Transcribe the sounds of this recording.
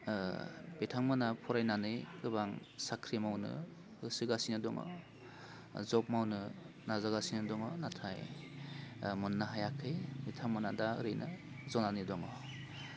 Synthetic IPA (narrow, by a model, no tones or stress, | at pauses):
b̥etʰaŋmanapʰɔɾajnanɯkɯbaŋsakʰɾimawnɯ̰ | ɯsɯɡasinɯdɔŋɔ̰ | zɔp̚mawnɯ | nazaɡasinɯdɔŋɔnatʰaj | mɯnːaɦajakʰɯjbetʰaŋmanadaɯɾɯjnʔɯ | zɔnanɯdɔŋɔ